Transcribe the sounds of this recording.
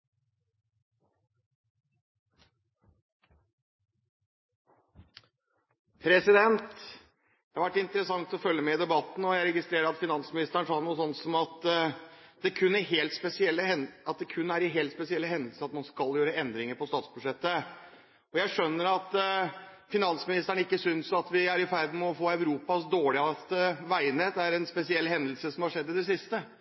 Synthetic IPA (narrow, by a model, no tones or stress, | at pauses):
pʰɾɛsɪd̪ɛnt̪ | æhɑɾʋæʈːɪnt̪əɾəsɑŋt̪ɔfœlːəmɛɪd̪ɛbɑt̪n̩ɔjæɪɾɛɡɪst̪ɾeːɾəɾɑt̪fɪnɑnsmɪnɪst̪əɾəɳʂɑːnuːsɔnːsɔmɑt̪ | d̪ɛkʰʉnːɪɦeːlt̪spɛsɪɛlːəɛɑt̪̚d̪ɛkʰʉnːæɾɪɦeːlt̪spɛsɪɛlːəɦɛnd̪əl̩səɾɑt̪mɑnskɑljøːɾəɛnd̪ɾɪŋəɾpɔst̪ɑːt̪sbʉd̪ʂɛt̪ːə | ɔjæɪʂœnːəɾɑt̪ | fɪnɑnsmɪnɪst̪əɳəɪkːəsʏnsɑt̪ʋɪæɾɪfæɾd̪mɛɔfoːæʉɾuːpɑsd̪oːɭɪɑɛt̪ːəʋæɪnəd̪ɛæɾɛnspɛsɪɛlːhɛnd̪əl̩səsɔmhɑʂɛd̪ːɪd̪ɛsɪst̪ə